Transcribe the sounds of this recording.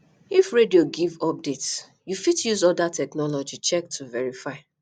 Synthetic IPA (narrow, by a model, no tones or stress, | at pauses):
ifɹedioɡivɔp̚dets | jufitjuzɔdatʰɛknɔlɔd͡ʒit͡ʃɛk̚tʰuvɛɹifaɪ